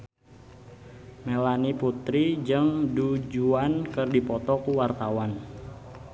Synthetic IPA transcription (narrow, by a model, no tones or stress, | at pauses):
melaniput̪ɾid͡ʒɨŋdud͡ʒuankɨrdipɔt̪ɔkuwart̪awan